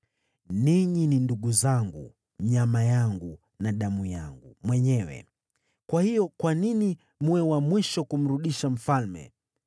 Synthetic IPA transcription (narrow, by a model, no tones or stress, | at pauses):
niɲininduɠuzaŋɡṵ | ɲamajaŋɡu | naɗamujaŋɡumwɛɲɛwɛ̰ | kwahijɔkwanini | muɛwamwiʃɔkum̩ɾuɗiʃam̩falmɛ̰